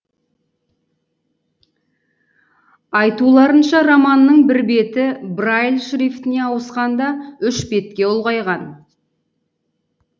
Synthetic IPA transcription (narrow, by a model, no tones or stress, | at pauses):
ɑjt̪ulˠɑɾənʃɑɾɑmɑnːəɴbɪɾbe̞t̪ɪbrajlˠʃɾift̪ɪne̞ɑwəsqɑnd̪ɑʏʃbe̞t̪̚kʲe̞olˠʁɑjʁɑn